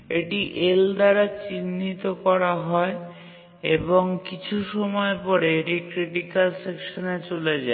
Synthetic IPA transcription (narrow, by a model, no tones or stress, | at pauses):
eʈiʔeld̪aɾat͡ɕinːit̪okɔɾaɦɔe | eboŋkit͡ɕʰuʃɔmɔepɔɾeeʈikɾiʈikalsekʃonet͡ɕoled͡ʑa